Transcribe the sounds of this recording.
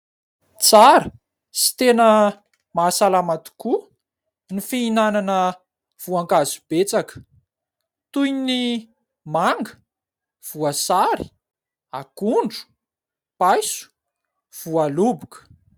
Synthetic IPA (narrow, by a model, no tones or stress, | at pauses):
t͡saɾə | si̥t̪enə | maːsalamat̪u̥ku | nifiinananə | v̥uaŋkazub̥et͡sakə̥ | t̪ujni | maŋɡə̥ | v̥uasaɾi̥ | akuɳɖ͡ʐu̥ | pajsu̥ | v̥ualubukə̥